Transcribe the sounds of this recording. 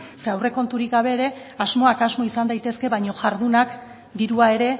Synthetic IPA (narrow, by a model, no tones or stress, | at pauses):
seawre̞ko̞nt̪uɾikɡaβ̞e̞ːɾe̞ | azmo̞akazmo̞isand̪ajt̪e̞ske̞βajɲo̞ʝaɾðunak | d̪iɾuae̞ɾe̞